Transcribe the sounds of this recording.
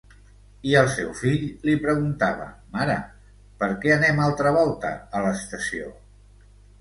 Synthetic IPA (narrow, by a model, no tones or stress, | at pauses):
iəlˠsɛwfiʎlipɾəɣ̞unt̪aβ̞ə̰maɾə̰ | pəɾkɛənɛmalˠt̪ɾəβ̞ɔlˠt̪ə̰ːləst̪əsio̰